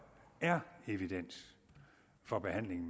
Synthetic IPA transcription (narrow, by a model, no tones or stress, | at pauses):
æɐe̝ʋid̥en̰s | fɒ̽b̥e̝ɦæn̰le̝ŋn̩